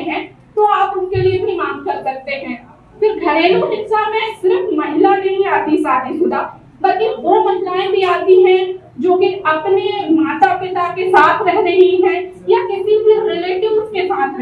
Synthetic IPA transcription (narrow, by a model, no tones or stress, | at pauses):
ɦɛ̃ː | t̪oaːpʊnkeliebʱimãːŋkɐɾsɐk̚t̪eɦɛ̃ː | fɪɾɡʱɐɾeːloɦɪnsamẽsɪɾəfmɐɦɪlaneieəd̪ʱisaːɾesʊd̪aː | bɐlkeʋoːmɐɦɪlaːẽbʱiaːt̪iɦɛ̃ | d͡ʒoːkeɐpnemaːt̪apɪt̪akesaːt̪ʰɾɛɦneɦiɦɛ̃ | jakɪsibʱiɾɪleːʈɪbʊskesaːt̪ʰɾ